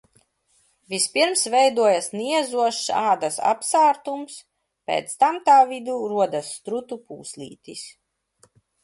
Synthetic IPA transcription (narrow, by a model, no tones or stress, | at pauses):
vispiɾmsvɛjd̪uɔjasniɛzuɔʃsaːd̪asa̰psaːɾt̪ums | pɛ̰ːt̪st̪amt̪aːvid̪uːɾuɔd̪asːt̪ɾut̪upuːslḭːt̪is